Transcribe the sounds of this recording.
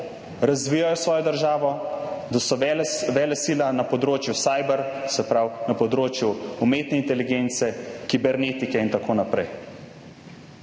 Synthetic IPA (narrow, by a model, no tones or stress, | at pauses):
ɾazʋijajɔsʋɔːjɔd̪əɾʒaːʋɔd̪asɔɛʋɛːlɛsiːlanapɔd̪ɾoːt͡ʃjusaːjbɛɾsɛpɾawnɐpɔd̪ɾoːt͡ʃjuumeːt̪nɛint̪ɛliɡeːnt̪sɛkibɛɾneːt̪ikɛint̪akʰoːnapɾɛj